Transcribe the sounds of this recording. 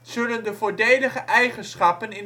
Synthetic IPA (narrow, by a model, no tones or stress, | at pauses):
z̥ɵləndəvoːɹdejdəχəʔɛjχənsχɑpənɪn